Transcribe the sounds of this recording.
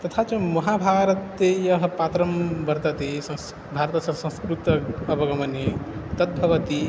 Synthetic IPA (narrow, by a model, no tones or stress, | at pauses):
t̪ʌt̪ʰat͡sʌ̃mʌɦabʱaɾʌt̪ːejʌɦʌpat̪ɾʌmbʌɾt̪ʌt̪esʌ̃ | bʱaɾt̪sʌ̃sʌ̃nskɾut̪ʌʌpʌɡʌmʌnet̪ʌt̪̚bʱʌʋʌt̪i